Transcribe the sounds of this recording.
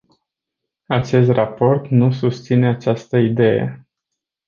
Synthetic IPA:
at͡ʃe̞st̪rapo̞rt̪nusust̪sine̞at͡ʃast̪əid̪e̞jḛ

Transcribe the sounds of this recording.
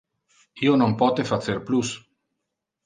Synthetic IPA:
ionompɔt̪efat͡seɾplus

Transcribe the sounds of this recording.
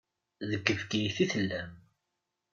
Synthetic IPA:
ðəkːəvkijθiθəlːæm

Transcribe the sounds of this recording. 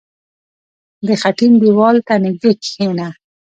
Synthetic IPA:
d̪əxaʈinb̪iwɑlt̪anɪɡ̚d̪ekhena

